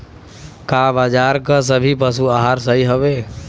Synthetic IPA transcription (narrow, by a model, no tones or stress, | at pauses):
kaːbaːd͡ʒaːɾkas̬əbʱipəsuaɦaːɾsəɦiɦoʋeː